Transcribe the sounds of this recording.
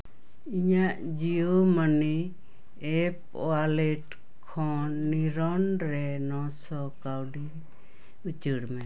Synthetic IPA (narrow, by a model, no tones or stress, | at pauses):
iɲaʔ | d͡ʒioməni | ɛp̚ | ɔ̰alɛʈ | kʰɔnːiɾɔnɾɛnɔsɔkawɖi | ut͡ʃəɽmɛ